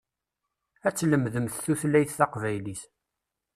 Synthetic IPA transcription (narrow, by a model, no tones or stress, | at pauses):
æt͡sːləmðəmθθuθlæjθθɑqvæjlis